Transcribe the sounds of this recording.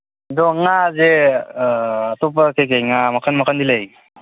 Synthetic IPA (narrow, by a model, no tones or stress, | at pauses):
dɔŋaze | tɔp̬əkʰekejŋamakʰanmakʰand̪ilej